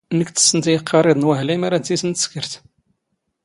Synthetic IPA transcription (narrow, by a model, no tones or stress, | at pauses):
nəkt̪ə̥sːənt̪ijəqʰːɑɾˤɪd̪ˤnwæɦlimaɾæd̪isənt̪ə̥skəɾt̪